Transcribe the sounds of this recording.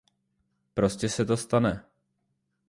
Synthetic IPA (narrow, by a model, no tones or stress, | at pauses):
pɾo̞scɛsɛt̪o̞st̪anɛ